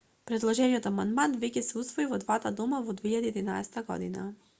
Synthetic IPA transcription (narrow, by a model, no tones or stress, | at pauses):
pɾɛd̪lˠɔʒɛniɔt̪amand̪mant̪vɛcɛsɛusvɔivɔd̪vat̪ad̪ɔmavɔd̪veiʎad̪iɛd̪ina̰ɛsɛ̥t̪aɡɔ̰d̪ḭna̰